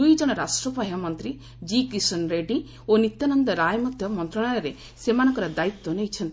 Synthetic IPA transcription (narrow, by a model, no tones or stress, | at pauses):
ujd͡ʒɔɽ̃ɔɾasʈɾɔpaɦjamɔnt̪ɾi | d͡ʒikɾisɔnɾeɖi | onit̪janɔnd̪ɔɾajɔmɔd̪ʱjɔmɔnt̪ɾɔɽ̃ajɔɾe | semanɔ̃ŋkɔɾɔd̪ait̪ːɔnejt͡ʃʰɔnt̪i